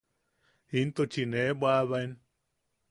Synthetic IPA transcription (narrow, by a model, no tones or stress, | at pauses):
hint̪ot͡ʃinebwaβajn